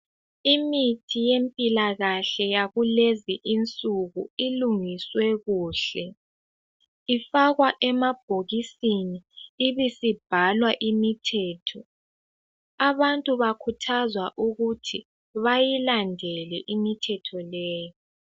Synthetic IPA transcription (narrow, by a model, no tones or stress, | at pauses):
imitʰijempʼilaɣaɬɛjaɣuleziʔint͡sʼuɣuiluŋiswɛɣuːɬɛ | ifaɣwaʔɛmab̥ʱoɣisiniːβisib̥ʱalwaʔimitʰɛːtʰɔ | aβantʼuβakʰutʰazwaʔuɣutʰi | βajilandʱɛlɛʔimitʰɛtʰɔlɛːjɔ